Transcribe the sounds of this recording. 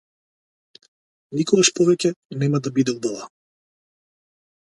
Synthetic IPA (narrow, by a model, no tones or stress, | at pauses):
nikɔɡaʃpɔvɛcɛnɛmad̪abid̪ɛb̪ɔva